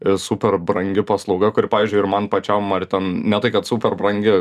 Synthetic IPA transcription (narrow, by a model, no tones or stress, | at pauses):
supʲɛrbɾɐŋʲɡʲɪpɐslˠɒʊɡɐkʊɾʲɪpɑːʋʲiːzʲd͡ʒʊɪɾmɐnpɐt͡ʃʲɛmɐrʲt̪ʲɛnnʲɛt̪ɐɪkɐt̪suːpʲɛrbɾɐŋʲɡʲɪ